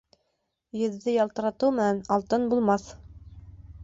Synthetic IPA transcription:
jɘ̆ðːɘjɑlˠt̪ɤ̆ɾɑt̪ɤwmɘ̆nænɑlˠt̪ɤnbulˠmɑθ

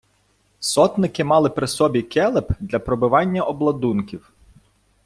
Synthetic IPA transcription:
sɔt̪nɪkɪmɑlˠɪpɾɪsɔbʲikɛlˠepd̪lʲɐpɾɔbʊʋɑnʲːɐʔɔblˠɐd̪unkʲiw

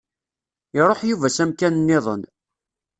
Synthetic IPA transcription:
ɪɾˤoħjuvæsæmkænənːɪðˤə̰n

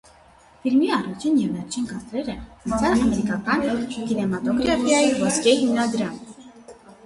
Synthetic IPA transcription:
filmiɑrut͡ʃʰinjɛvːɛɾt͡ʃʰinkɑt̪ɾɛɾət͡sʰɑlɑmɛɾikɑkɑnkinɛmɑt̪ɔɡɾɑfʰjɑjivɔskɛhimnɑd̪ɾɑm

